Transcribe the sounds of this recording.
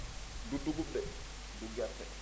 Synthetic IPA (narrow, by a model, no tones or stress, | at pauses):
dudːuɡudɛ | duɡatːɛ̰